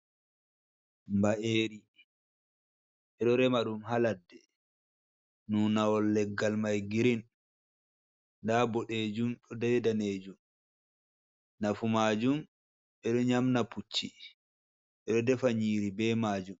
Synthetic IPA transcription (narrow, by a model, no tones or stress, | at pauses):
mbaʔeːɾi | ʔɛɗɔɾɛmaɗumɦaladːɛ | unawɔlːɛɡːalmajɡiɾin | ndabɔɗeːd͡ʒumɗɔdɛjdaneːd͡ʒum | nafumaːd͡ʒum | ɓɛɗɔɲamnaput͡ʃːḭ | ʔɛɗɔdɛfaɲiːɾibɛmaːd͡ʒum